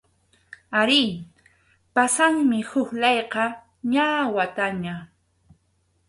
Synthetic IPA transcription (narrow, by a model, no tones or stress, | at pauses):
aɾɪ | pasaŋmɪhʊkʎɑjqɑ | ɲawat̪aɲa